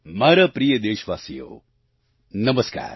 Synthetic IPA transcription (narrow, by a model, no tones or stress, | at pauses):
maːɾɐpɾijəd̪eːʃʋaːsijo̰ː | nɐmɐska̰ːɾ